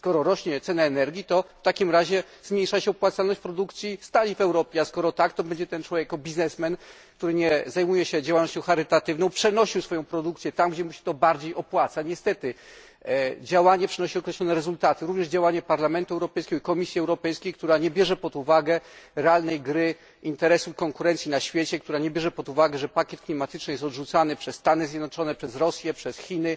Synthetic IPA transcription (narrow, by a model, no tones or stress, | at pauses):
skɔɾɔɾɔɕɲɛt̪sɛnɛːnɛɾɡʲit̪ɔft̪akʲimɾaʑɛ | zmʲɲejʂaɕɛɔpwat̪salnɔɕt͡ɕpɾɔd̪ukt̪sʲjist̪alʲivɛwɾɔpʲjɛaskɔɾɔt̪akt̪ɔbɛɲd͡ʑɛt̪ɛnt͡ʂwɔvjekɔbʲiznɛsmɛn | k̚t̪uɾɘɲɛzajmujɛɕɛd͡ʑawalnɔɕt͡ɕɔ̃wxaɾɘt̪at̪ɘvnɔ̃w̃pʂɛnɔɕiwsfɔjɔ̃w̃pɾɔd̪ukt̪sjɛt̪amɡd͡ʑɛmuɕɛ̥t̪ɔbaɾd͡ʑejɔpwat̪saɲɛst̪ɛt̪ɘ | d͡ʑawaɲɛpʂɨnɔɕiɔkɾɛɕlɔnɛɾɛzult̪at̪ɘɾuvɲɛʐd͡ʑawaɲɛpaɾlamɛnt̪uɛwɾɔpɛjskʲɛɡɔikɔmʲisʲjiɛwɾɔpɛjskʲejkt̪uɾaɲɛbʲjɛʐɛpɔd̪uvaɡɛɾɛalnɛjɡɾɘ | int̪ɛɾɛsuikɔŋkuɾɛnt̪sʲjinaɕfʲjet͡ɕɛkt̪uɾaɲɛbʲjɛʐɛpɔd̪uvaɡɛʐɛpakʲjɛt̪̚klʲimat̪ɘt͡ʂnɘjɛst̪ɔd̪ʐut̪sanɘpʂɛsːt̪anɘzʲjɛd̪nɔt͡ʂɔnɛpʂɛzɾɔsʲjɛpʂɛsxʲinɘ